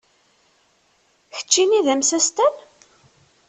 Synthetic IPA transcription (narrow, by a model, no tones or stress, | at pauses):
çə̥t͡ʃːiniðæmsæst̪æn